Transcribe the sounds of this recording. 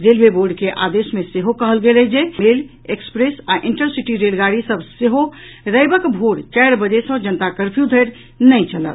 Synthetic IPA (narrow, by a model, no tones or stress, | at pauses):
ɾelbeboɾɖkeʔa̰d̪esmeseɦokəɦəlɡelɛd͡ʒeel | ekspɾesaʔiɳʈəɾsiʈiɾelɡaɽisəbʱseɦo | ɾəjbəkbʱoɽt͡ʃajɾbəd͡ʒesəd͡ʒənət̪akəɾpʰjud̪ʱəjɾ | nəjt͡ʃʰələ̰l